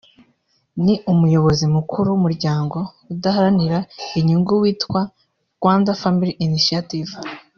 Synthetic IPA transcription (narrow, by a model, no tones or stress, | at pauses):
niʔumujo̞βo̞zimukʰuɾuumuɾɟaːŋɡo̞ | udahaɾaniɾaiɲuŋɡuwiːtkwa | ɡ̥waːndafamiɾiiniʃiativ